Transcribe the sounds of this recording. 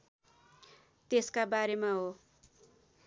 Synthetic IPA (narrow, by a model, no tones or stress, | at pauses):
t̪eskabaɾemaɦo